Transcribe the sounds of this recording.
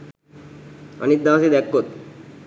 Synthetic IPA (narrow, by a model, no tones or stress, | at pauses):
ʌ̰nit̪̚d̪asid̪ɛkːot̪̚